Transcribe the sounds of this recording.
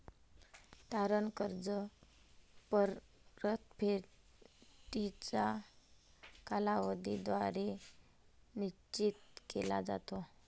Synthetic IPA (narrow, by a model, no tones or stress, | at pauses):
t̪aɾənkəɾd͡zə | pəɾɾət̪pʰe | ʈit͡sa | kalaʋəd̪ʱid̪ʋaɾe | niɕt͡ɕit̪kḛla̰d͡za̰t̪o